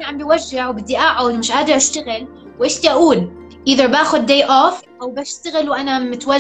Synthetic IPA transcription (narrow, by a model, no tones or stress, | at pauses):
naʕambiwaʒːɪʕwbɪd̪ːiʔaʕʊwd̪mɪʃʕaːd̪ɪɾʔaʃt̪aɣɪl | wʔɪʃt̪iʔaʔuːl | ʔiðɑɾbaːxʊd̪ːeːʔoːfʔawbaʃt̪aɣɪlwʔanamʊt̪wa